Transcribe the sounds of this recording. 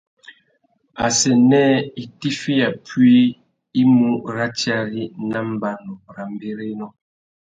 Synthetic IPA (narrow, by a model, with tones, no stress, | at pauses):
a˨sɛ˨nɛ˦i˨ti˦fi˦a˨pwi˦ | i˦mu˦ɾa˦t͡ʃi˦a˦ɾi˦na˦m˦ba˦nɔ˨ɾa˨m˦be˦ɾe˦nɔ˦